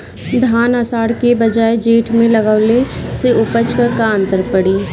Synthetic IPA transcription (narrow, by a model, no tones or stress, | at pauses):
d̪ʱaːnəsaːɽkebɐd͡ʒaːed͡ʒeːʈʰmẽlɐɡaʋleseʊpət͡ʃkəɾkaə̃nt̪əɾpəɽiː